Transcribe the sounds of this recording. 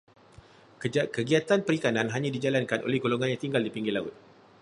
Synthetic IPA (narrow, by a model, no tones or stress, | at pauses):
kkəɡiat̪anpəɾikanãnɦaɲãdid͡ʒalankanʔo̰lɛhɡoloŋãnjãŋt̪iŋɡaldipiŋɡilaut̪̚